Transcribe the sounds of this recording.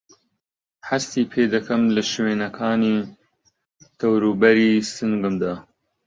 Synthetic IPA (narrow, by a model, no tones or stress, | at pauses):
hast̪iːpʰeːd̪ɐkʰɐmlɨʃweːnɐkʰaːniː | t̪ʰɐwɾubɐɾiːsɨŋɡɨmd̪aː